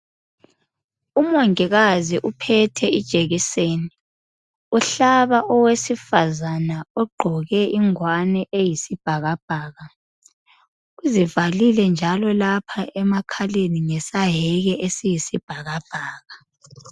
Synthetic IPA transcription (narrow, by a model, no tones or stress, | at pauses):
umɔŋiɣaziʔupʰɛtʰɛid̥ʒ̥ʱʼeɣiseːni | uɬaβaʔɔwesifazanaɔɡ͡ǃʱɔɣɛʔiŋwanɛʔejisib̥ʱaɣab̥ʱaːɣa | uzivalilɛnd͡ʒʱalɔlapʰaɛmakʰaleniŋɛsaɦɛɣɛʔesijisib̥ʱaɣab̥ʱaːɣa